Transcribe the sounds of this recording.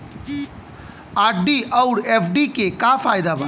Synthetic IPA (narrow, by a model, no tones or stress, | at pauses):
aɖiʔəʊɽepʰɖikekapʰajd̪aba